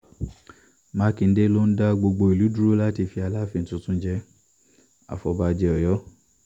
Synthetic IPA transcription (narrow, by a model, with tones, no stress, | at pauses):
mã˦kĩ˨˧n̩˦de˦lo˦n̩˦da˦ɡ͡bo˧ɡ͡bo˧i˨lu˨˦du˦ɾu˦la˦ti˧˨fi˧a˧la˦fi˧n̩˨tũ˧tũ˦d͡ʒɛ˧ | a̰˨fɔ˧ba˧d͡ʒɛ˧ɔ˨jɔ˦